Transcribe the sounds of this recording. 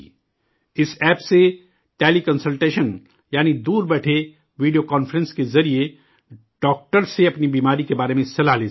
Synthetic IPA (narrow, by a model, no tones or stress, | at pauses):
ɪsɛːpse | ʈeːlikɐ̃nsəlʈeːʃən | jaːnid̪uːɾbɛːʈʰe | ʋiːɖijokaːnfəɾə̃nskezɐɾie | ɖ̥ɔːk̚ʈəɾseɐpnibiːmaːɾikebaːɾemẽsɐlaleː